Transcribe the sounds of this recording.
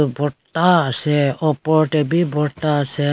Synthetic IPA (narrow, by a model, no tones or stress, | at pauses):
bʱɔt̪asɛɔpɔɾʈebibʱɔt̪asɛ